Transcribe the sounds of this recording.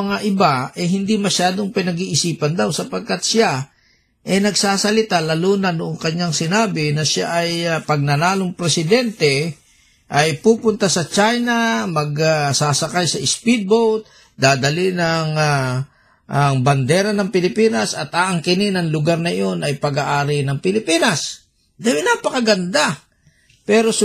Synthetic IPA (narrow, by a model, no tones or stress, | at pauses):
ɐŋaʔɪbaʔɛɦɪnd̪imɐʃaːd̪oŋpɪnɐɡiːʔɪsiːpɐnd̪awsɐpɐɡ̚kat̪̚ʃɪa | ʔɛnɐɡsaːsɐlɪt̪alɐluːnɐnʊʔoŋkɐɲːaŋsɪnaːbɪnɐʃa̰ʔɐjpɐɡ̚nɐnaːloŋpɾɛsɪd̪ɛnt̪ɛ | ʔɐjpuːpʊnt̪asɐt͡ʃajnɐmɐɡasaːsɐkajsɐʔɪspid̪̚bowt̪̚ | d̪aːd̪ɐlɪnɐŋa | ʔɐŋbɐnd̪ɛːɾɐnɐŋpɪlɪpiːnɐsɐt̪aʔɐŋkɪnɪnɐŋlʊɡaɾnɐjo̞nʔɐjpɐɡaʔaːɾɪnɐŋpɪlɪpiːnɐs | d̪ɐjɪnapɐkɐɡɐnd̪a | pɛːɾo̞s